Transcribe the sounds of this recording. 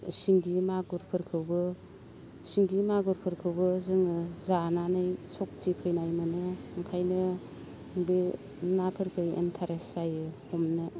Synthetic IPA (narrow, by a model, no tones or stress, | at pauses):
siŋɡimaɡuɾpʰɯɾkʰɯwbɯ | siŋɡimaɡɔɾpʰɯɾkʰɯwbɯzɯŋɯzananɯjsɔk̚tʰikʰɯjnajmɯnɯŋkʰajnɯ | ŋbi | napʰɯɾkʰɯjḛntʰaɾesajɯhɔmnɯ